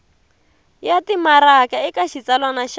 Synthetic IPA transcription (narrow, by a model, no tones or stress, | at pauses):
jatimaɾakaɪkaʃit͡salwanaʃ